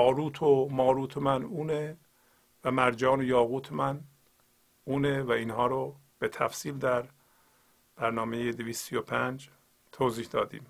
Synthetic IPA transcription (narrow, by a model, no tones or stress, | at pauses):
ɒːɾuːt̪ʰomɒːɾuːt̪ʰomænuːne | væmæɾd͡ʒɒːnojɒːɣuːt̪ʰemæn | uːnevæiːnhɒːɾo | b̥et̪ʰæ̰fsiːld̪æɾ | b̥æɾnɒːme̞jed̪eviːst̪ijopʰænd͡ʒ | t̪ʰoːziːhd̪ɒːd̪ḭːm